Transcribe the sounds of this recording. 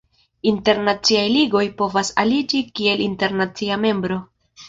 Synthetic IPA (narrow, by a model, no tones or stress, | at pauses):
inte̞ɾnat͡siajliɡo̞jpo̞vasa̰lid͡ʒikie̞linte̞ɾnat͡siame̞mbɾo̞